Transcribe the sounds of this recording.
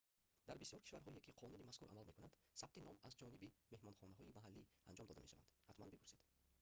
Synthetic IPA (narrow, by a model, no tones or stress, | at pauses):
d̪̥aɾbisjɔɾkʰiʃvaɾɦɔiekʰiqʰɔnunimaskuɾʔa̰malme̞kunand̪̥sabt̪ʰinɔmazd͡ʒɔnibime̞hmɔnχɔnaɦɔimaɦalːiand͡ʒɔmd̪ɔd̪a̰meʃava̰nd̪hat̪manbipuɾsid̪